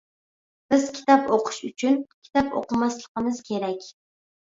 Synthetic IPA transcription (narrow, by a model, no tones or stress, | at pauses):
b̥ɪzkʲʰi̥t̪ʰɑpoqʰɨ̥ʃʊt͡ʃʰʊnkʲʰɪ̥t̪ɑpo̰qɨmaslˠɨqɨmɪz̥kʲʰe̞ɾakʲ